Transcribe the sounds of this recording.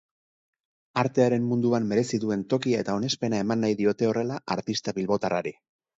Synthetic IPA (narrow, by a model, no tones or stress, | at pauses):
aɾt̪e̞aɾe̞mːund̪uamːe̞ɾe̞siðue̞nt̪o̞kiae̞t̪ao̞ne̞spe̞nae̞manːajðio̞t̪e̞o̞re̞laʔaɾt̪ist̪aβilβo̞t̪araɾe